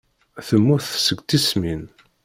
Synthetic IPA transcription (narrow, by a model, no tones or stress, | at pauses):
θəmːʊθsəɡʷt̪ismin